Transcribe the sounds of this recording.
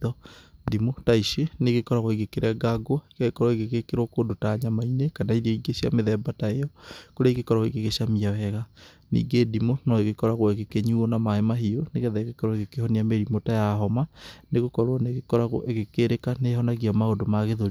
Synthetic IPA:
ɔdimotaiʃeneɣekɔɾaɣoiɣekeɾaɡaɡoaekaɣekɔɾɔeɣeɣekeɾokondotaːɲamainekanaiɾeiɡeɕia̰meðɛbataejɔkoɾeaiɣekɔɾaɣoiɣeɣeɕamiawɛɣa | nḭːɡedimonɔeɣekɔɾaɣwɔeɣekeɲuonamaemaɦioneɣɛðɛeɣekɔɾɔeɣekehɔniameɾimotajaɦɔmaneɣokɔɾwɔneɣekɔɾaɣo̰ʔeɣekeɾekaneɦɔnaɣiamaondomaɣeðoɾ

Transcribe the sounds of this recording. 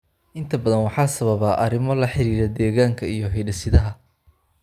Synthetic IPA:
ʔɪnt̪ʰɐbɐðɐnwɑħɑːsɐβɐβaːʔɐɾɪmɔlɐħɪɾiːɾɛd̪ɛːɣaːŋkʰɐijɞɦɛjɖɐsɪðɐɦɐ

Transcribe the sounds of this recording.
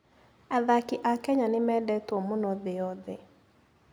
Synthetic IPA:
aðakiʔakɛɲanɪmɛdɛtwɔmʊnɔðɪɔðɪ

